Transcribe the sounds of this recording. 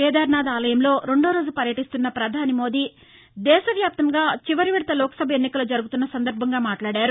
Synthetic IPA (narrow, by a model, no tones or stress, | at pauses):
ɛːd̪aːɾnaːd̪aːlɐjɐmlo̞ːɾe̞ɳɖoːɾo̞ːd͡ʒupɐɾjɐʈist̪unːɐpɾɐd̪ʱaːnimo̞ːd̪iː | d̪ɛːʃɐʋjaːp̚t̪ɐŋɡaːt͡ʃiʋɐɾiʋɛɽɐt̪ɐlɔːkɐ̥sɐbʱɐenːikɐlod͡ʒɐɾuɡut̪unːɐsɐnd̪ɐɾbʱɐŋɡaːmaːʈlaːɽaːɾu